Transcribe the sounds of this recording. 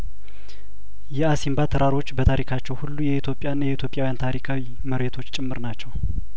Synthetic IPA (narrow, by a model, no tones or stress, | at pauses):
jɛasimbat̪ʰəɾʔaɾo̞t͡ʃːbət̪ʰaɾikʰat͡ʃːɛwhulːujɛit̪ʰjo̞pʼjanːjɛit̪ʰjo̞pʼjawjant̪ʰaɾikʰawi | məɾet̪ʰo̞t͡ʃːt͡ʃʼɨmːɨɾnat͡ʃːɛw